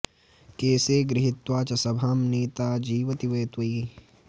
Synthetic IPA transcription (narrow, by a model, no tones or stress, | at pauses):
keːseːɡɾɪɦɪt̪waːt͡ʃɐsɐbʱɐmniːt̪aːd͡ʒiːʋɐt̪iʋeːt̪wɐi